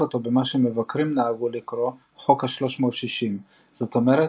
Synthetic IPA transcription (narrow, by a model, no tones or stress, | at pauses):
ot̪o̞bemaʃeme̞vakʁimnaːɡulikɾo̞ | χo̞khaʃlo̞ʃmo̞ːt̪ʃiʃim | z̥o̞t̪o̞meʁe